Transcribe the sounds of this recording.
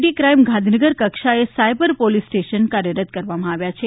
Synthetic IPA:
ʈikɾajmɡʱãnd̪ʱinəɡəɾkəkʃaesajbəɾpolisʈeʃənkaɾjəɾət̪kəɾʋamãaʋjat͡ʃʰe

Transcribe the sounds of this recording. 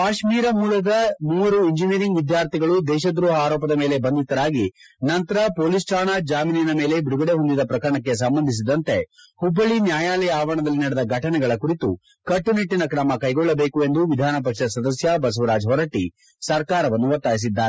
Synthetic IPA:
kaːʃmiːɾɐmuːlɐd̪ɐmuːʋɐɾuiɲd͡ʒiniːɾiŋɡʋid̪jaːɾt̪ʰiɡɐɭud̪ɛːʃɐd̪ɾuːɦaːɾɔːpɐd̪ɐmeːle̞bɐnd̪it̪ːɐɾaːɡinɐnt̪ɐɾɐpoːlisʈʰaːɳad͡ʒaːminijɐnɐme̞ːle̞biɽuɡɐɽe̞ɦond̪id̪ɐpɾɐkɐɾɐɳɐk̬ːe̞s̬ɐmbɐnd̪ʱis̬id̪ɐnt̪e̞ | hubːɐɭinjaːjaːlɛjɐaːʋɐɳɐd̪ɐlːinɐɽɛd̪ɐɡʱɐʈɐnɛɡɐɭɐkuɾit̪u | kɐʈːuniʈːinɐkɾɐmɐkɐjɡɔɭːɐbeːkue̞nd̪uʋid̪ʱaːnɐp̬ɐkʂɐɐsɐd̪ɐsjɐbɐs̬ʋɐɾaːd͡ʒɦɔɾɐʈi | sɐɾkaːɾɐʋɐnːuʋɐt̪ːaːjis̬id̪ːaːɾe

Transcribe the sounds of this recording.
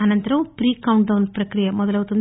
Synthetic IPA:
ɐnɐnt̪ɾɐʋ̃pɾiːkɐwɳʈɖɐwnpɾɐkɾɪjɐmɔðɐlɐʋɐt̪ːɐn

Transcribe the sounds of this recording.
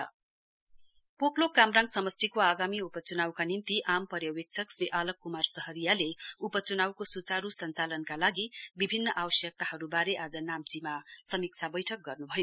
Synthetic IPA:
poklokamrãŋɡsʌmʌst̪ikoaɡamiupʌt͡sunawkanint̪iʔampʌɾjʌwek̚sʰʌksriʔalʌkːumarsʌɦʌɾijaleupʌt͡sunawkosut͡saɾusʌnt͡salʌnkalaɡibibʱinːʌʔawʌsjʌk̚t̪aɦʌɾubaɾeʔad͡zʌnamt͡simasʌmik̚t͡sʰabʌjʈʰʌk̚ɡʌrnubʱʌjo

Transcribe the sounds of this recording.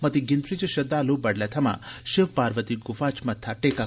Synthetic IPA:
mɐt̪iɡɪnt̪ɾit͡ʃʃɐd̪alubɐɽlɛt̪ʰɐmã̰ʃɪʋpaːɾʋət̪iɡʊfat͡ʃmɐt̪ʰːaʈeka

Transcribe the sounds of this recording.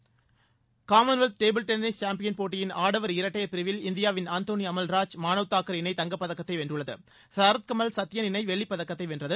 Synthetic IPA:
kaːmɐnʋɛlt̪̚ʈeːbɪlʈɛnnɪst͡ʃaːmpɪjɐnpoːʈːɪjɪnaːɽɐʋɐɾɪɾɐʈːɐjɐpɪɾɯʋɪlɪnd̪ɪjaːʋɪnaːnt̪oːnɪjɐmɐlɾaːd͡ʒmaːnɐʋɯt̪ːaːkɐɾɪnɐɪt̪ɐŋɡɐpːɐðɐkːɐt̪ːɐɪʋɛndrɯɭːɐðɯ̰ | saɾɐt̪̚kɐmɐlsɐt̪ːɪjɐnɪnɐɪʋɛɭːɪpːɐðɐkːɐt̪ːɐɪʋɛndrɐðɯ

